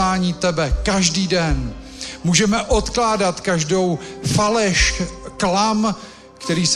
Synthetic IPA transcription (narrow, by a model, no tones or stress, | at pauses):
aːɲiːt̪ɛbɛkaʒdiːdɛn | muːʒɛmɛʔot̪klaːdat̪kaʒdo̞wfalɛʃklam | kt̪ɛɾiːs